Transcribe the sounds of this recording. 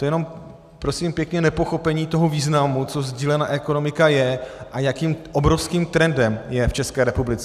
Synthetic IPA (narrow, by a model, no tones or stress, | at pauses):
t̪ojɛno̞m | pɾo̞simpjɛkɲɛnɛpo̞xo̞pɛɲiːt̪o̞ɦoviːznamut͡so̞zɟiːlɛnaʔɛko̞no̞mɪkajɛʔajakiːmʔobɾo̞fskiːmt̪ɾɛndɛmjɛft͡ʃɛskɛːɾɛpublɪt͡sɛ